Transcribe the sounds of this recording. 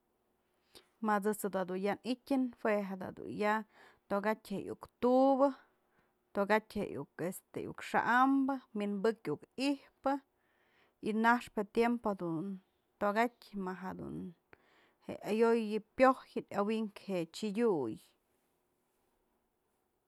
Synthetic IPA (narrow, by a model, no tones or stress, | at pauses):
mat͡sɨt͡sad̪ad̪unjanitʲɨnfweɦad̪a̰d̪ṵnja | t̪oɡatʲhejṵkt̪ubɨ | t̪oɡatʲhejṵkest̪ejṵkʂa̰ʔambɨminbɨkjukihpɨ | inaʂpet̪jempohad̪un | t̪oɡatʲmaɦad̪ṵn | hḛajojɨpjohjɨdʲawiŋkhet͡ʃidʲuj